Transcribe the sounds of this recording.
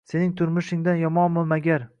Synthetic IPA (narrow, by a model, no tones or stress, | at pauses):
se̞nɪŋt̪ʰʊɾmʊʃɪŋd̪anjɒmɒnmʊmaɡʲaɾ